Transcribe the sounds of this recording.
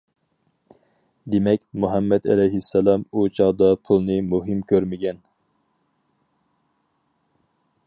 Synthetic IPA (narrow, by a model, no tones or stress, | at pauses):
d̪emɛkʲmuɦɑmːɛd̪ɛ̰lɛjɦɪsːɛlˠɑmut͡ʃʰɑʁd̪ɑpʰulˠnɨmuɦɨmkʲʰøɾmɪɡʲɛn